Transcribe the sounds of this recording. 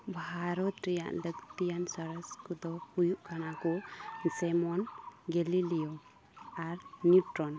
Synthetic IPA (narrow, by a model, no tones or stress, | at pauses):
bʱaɾɔt̪̚ɾɛja̰ʔləɡt̪ijansɔɾəskud̪ɔhujuʔkanakɔsɛmɔnɡɛlilijɔ | aɾnjuʈɾɔn